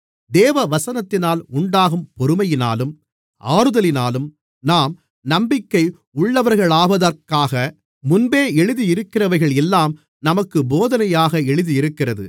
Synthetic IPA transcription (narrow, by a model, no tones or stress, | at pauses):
d̪eːʋɐʋɐsɐnɐt̪ːɪnaːlʊɳɖaːɣɯmpɔɾɯmɐjɪna̰ːlɯm | ʔaːɾɯðɐlɪnaːlɯm | naːm | nɐmbɪkːɐɪ | ʊɭːɐʋɐɾɣɐɭaːbɐðɐɾkaːɣɐ | mʊnbeːɛɻɯðiɪɾɯkːɪrɐʋɐɾɪɣɐɭɛlːaːm | nɐmɐkːɯboːðɐnɐjaːɣɐɛɻɯðiɪɾɯkːɪrɐðɯ̰